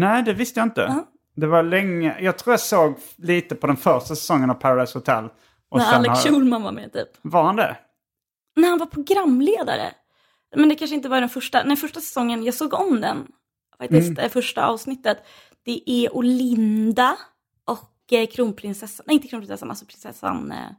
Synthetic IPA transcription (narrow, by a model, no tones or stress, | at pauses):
nɛɪd̪ɛvɪst̪əjaɪnt̪ə̰ | d̪ɛvalɛŋːə̰jɑːɡ̚t̪ʰɾuːjasoːɡ | liːt̪əpʰɔd̪ɛnfœɾʂʈasɛ̥sɔŋːənavpʰaɾad̪aɪjshʊt̪ʰɛ̰lː | ʔɔsɾaɛnlːɛuːlmanva̰mɛ̰t̪ʰy̰ːpvaɾhand̪ɛ̰ | næhanvaɾpʰɾʊɡɾamːleːd̪a̰ɾə̰ | mɛnd̪ɛkʰanʂ̬əɪnt̪̬əvaɖɛnfœʂʈanɛfœʂʈasɛ̥sɔŋːənjɑːɡsoːɡɔmd̪ɛn | fak̚t̪ɪst̪ɛfœʂʈa̰ʔɑ̰ːvsnɪt̪ːət̪ | d̪̥ɛʔɛʔʊlɪnd̪a | ʔɔkː | kʰɾuːnpʰɾɪnsɛsːanɛɪnt̪əkɾuːpɾɪnsɛsːana̰sɔpʰɾɪnsɛsːa̰n